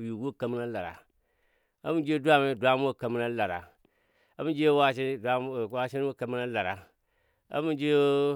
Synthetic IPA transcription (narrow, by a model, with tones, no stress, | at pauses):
ju˨ɡu˦˨ka˨mi˦na˦la˨ɾa̰˨ | a̰˦mu˦d͡ʒe˦du˦a˦˨ma˦˨dʷa˦m˦o˦˨ka˨mi˦na˦la˨ɾa̰˨ | a˦mu˦nd͡ʒe˦wa˦ʃi˦a˦˨wa˦ʃi˦n˦wo˦˨ka˨mi˦na˦la˨ɾa̰˨ | a̰˦mu˦nd͡ʒe˦o˦